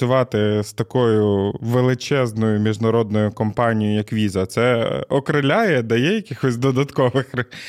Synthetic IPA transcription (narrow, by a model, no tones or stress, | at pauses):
ʊʋɑt̪ɪst̪ɐkɔjʊʋelˠɪt͡ʃɛznɔjʊmʲiʒnɐɾɔd̪nɔjʊkɔmpɑnʲijɔʊjɐkʋʲizɐt̪sɛɔkɾɪlʲajɛd̪ɐjɛjɐkʲɪxɔsʲd̪ɔd̪ɐt̪kɔʋɪx